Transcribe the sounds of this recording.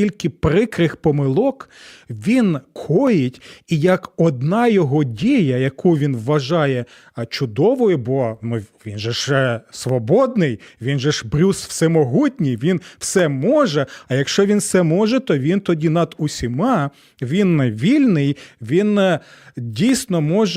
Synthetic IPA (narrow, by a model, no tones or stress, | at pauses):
ilʲkɪpɾɪkɾɪxpɔmɪlˠɔkʋʲinkʰɔjɪtʲijɐkɔd̪nɑjɔɦɔdʲijɐjɐkʰuʋʲinʋːɐʒɑjɛ | t͡ʃʊd̪ɔʋɔjʊbɔnʊʋʲinʒɛʃɛsʋɔbɔd̪̚nɪjʋʲinʒɛʒbɾʲuswsɛmɔɦutʲnʲijʋʲinw̥sɛmɔʒɛɐjɐkʃt͡ʃɔʋʲinwsɛmɔʒɛt̪ɔʋʲint̪ɔdʲinɐd̪usʲimɑ | ʋʲinʋʲilʲnɪjʋʲin | dʲijsʲnɔmɔʒɛ